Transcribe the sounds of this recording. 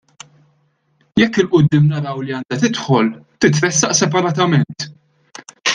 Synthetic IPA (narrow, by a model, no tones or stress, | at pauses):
jɛkːɪlʔʊd̪ːɪːmnɐɾɐwliɐːnd̪ɐt̪ɪt̪ħɔlt̪ɪt̪ɾɛsːɐʔsɛpɐɾɐːt̪ɐmɛnt̪